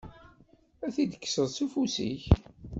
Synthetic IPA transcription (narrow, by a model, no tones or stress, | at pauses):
æθid̪ə̥kːsəðˤsufusḭç